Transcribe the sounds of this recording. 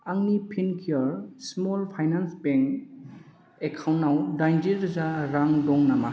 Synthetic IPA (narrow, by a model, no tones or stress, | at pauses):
aŋnipʰinkʰiɔɾsmolpʰajnansbeŋk | ekʰawnːawdajnd͡ʒiɾzaɾaŋdɔŋnama